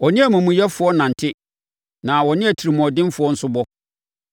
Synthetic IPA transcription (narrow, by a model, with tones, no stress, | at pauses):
ɔ˨nɪ̃˦æ˨mũ˨mũ˨jɛ˦fʊ˨˦ɔ˦nã˨n̩˨tʰɪ˦ | nã˨wɔ˨nɪ̃˦æ˨tʰi˨ɾi˨mɔ̃˨ɔ˨dɪ̃˦m˦fʊ˨ɔ˦n̩˨˦sʊ˦bɔ˦